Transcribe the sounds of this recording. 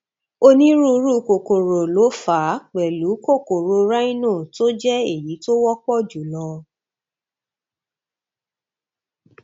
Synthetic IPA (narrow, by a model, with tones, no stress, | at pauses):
o˧nĩ˦ɾu˦˧˦ɾu˦ko˨ko˨ɾo˨lo˨˦fa˨˦k͡pɛ˨lu˨˦ko˦˨ko˨ɾo˧ɾa˦ĩ˦nũ˦˨to˦d͡ʒɛ˦e˦˨ji˨˦to˦wɔ˦k͡pɔ˦˨d͡ʒu˨lɔ˧